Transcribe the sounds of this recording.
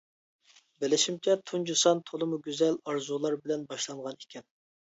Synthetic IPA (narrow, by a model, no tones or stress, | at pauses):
bɪlɪʃimt͡ʃʰɛt̪ʰund͡ʒusɑnt̪ʰolˠɨmuɡʲyzɛlɑɾzulˠɑɾbɪlɛnbɑʃlˠɑɴʁɑnekʲʰɛn